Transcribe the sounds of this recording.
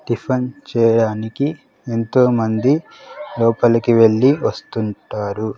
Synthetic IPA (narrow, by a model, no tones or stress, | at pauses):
ɖipʰɐnt͡ʃɛːjɐɽaːniki | ent̪o̞ːmɐnd̪i | lɔːpɐlɐkiʋe̞ɭːiʋɐst̪uɳʈaːɾu